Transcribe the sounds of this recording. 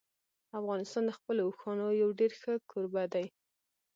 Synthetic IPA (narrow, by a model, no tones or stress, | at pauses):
afɣɑnɪst̪ɑnd̪əxpəlouxɑnojawɖeɾxəkʰoɾbad̪aj